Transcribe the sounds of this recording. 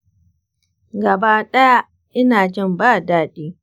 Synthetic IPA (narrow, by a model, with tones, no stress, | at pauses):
ɡɐ˨baː˦ɗɐ˦ja˦ | ʔɪ˦naː˨d͡ʒɪ˦˨mbaː˦˨daː˦ɗiː˦